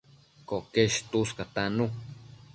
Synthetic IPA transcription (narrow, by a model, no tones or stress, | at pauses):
koʔkeʃt̪uskat̪anu